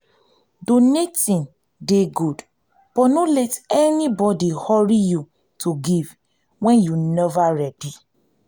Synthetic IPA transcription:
donetĩn | deɡud | b̥ɔnolɛtɛnibɔdihɔɹiju | tʰuɡiv | wɛ̃njunɛvaɹɛdi

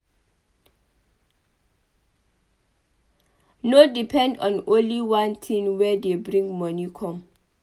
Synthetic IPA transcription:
nodipʰɛ̃ndɔ̰̃nõnliwãntʰĩnwɛdebɹĩŋɡmɔnikʰɔ̃m

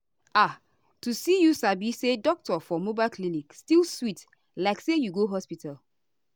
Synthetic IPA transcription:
a | tusijusabisedɔk̚tɔfɔmobaɪlklinikstilˠswit | laɪksejuɡoɦɔspital

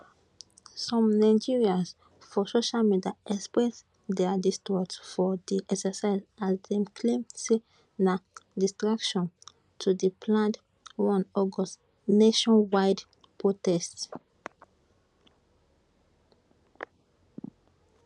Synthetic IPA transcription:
sɔ̃mnaɪd͡ʒiɹias | fɔsoʃalmidiaʔɛkspɹɛs | dɛdistɔtsfɔdiʔɛksəsaɪzazdɛ̃mkʰlĩms | nadistɹakʃɔ̃n | tʰudəpʰlãnd | wɔ̃nɔɡɔs | neʃɔ̃nwaɪd | pʰɹotɛsts

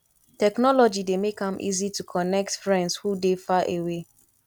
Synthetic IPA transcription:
tɛknɔlɔd͡ʒidemekãmʔḭzitukʰɔnɛk̚tfɹɛ̃ndshudefaʔewe

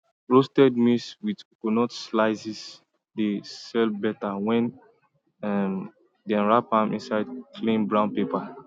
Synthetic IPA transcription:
ɹostɛd̚miswidkonɔtslaɪsis | desɛlbɛtawɛ̃n | ɛm | dɛ̃nɹapãmʔḭ̃nsaɪd̚kʰlĩmbɹãʊ̃npepa

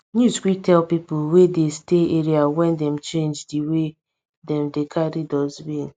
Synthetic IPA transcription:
nuzkʷitɛlpipʊwedesteeɾiawɛndɛm̩t͡ʃẽnd͡ʒdiwe | dɛm̩dekʰaɾidɔzbin

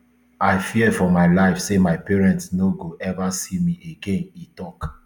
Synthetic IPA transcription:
aɪfiɛfɔmaɪlaɪfsemaɪpɛɹɛ̃ntsnoɡoʔɛvasimiʔeɡẽnitɔk

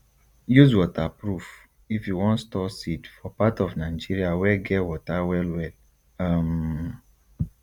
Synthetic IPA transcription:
juzwɔtapɹuf | ifjuwɔ̃ntstɔsitfɔpatɔvnaɪd͡ʒiɹiawɛɡɛtwɔtawɛlwɛl | am

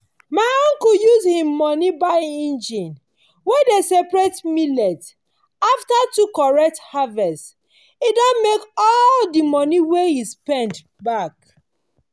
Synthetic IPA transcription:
maɪɔ̃ŋkujuzhĩmːɔnibaɪĩnd͡ʒĩn | wedesɛpɹetmilɛt | aftatukɔɹɛk̚thavɛst | idɔ̃nmekɔldimɔniwehispɛ̃nd | bak

